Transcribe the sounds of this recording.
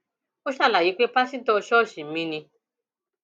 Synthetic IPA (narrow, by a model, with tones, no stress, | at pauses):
o˦ʃa˦˨la˨ji˨˦k͡pe˦pa˦sĩ˦tɔ˧ʃɔ˦˨ʃi˨˦mĩ˧nĩ˧